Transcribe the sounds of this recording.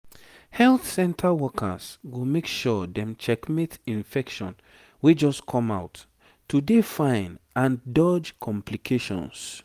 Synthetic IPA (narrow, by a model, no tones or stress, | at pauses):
hɛlθsɛ̃ntʰawɔkʰə̰sɡomekʃɔdɛ̃mt͡ʃɛkmitĩnfɛkʃɔ̃n | wid͡ʒɔskʰɔ̃mawtː | udefãɪ̃nãndɔd͡ʒkʰɔ̃mpʰlikʰeʃɔ̰̃ns